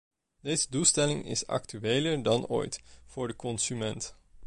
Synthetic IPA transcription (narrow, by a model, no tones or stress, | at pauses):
d̥ejzədulˠstɛlɪŋɪ̰sɑ̰ktyʋeːləɹdɑno̰ːjtv̥ʊːɹdəkɔnsymɛnt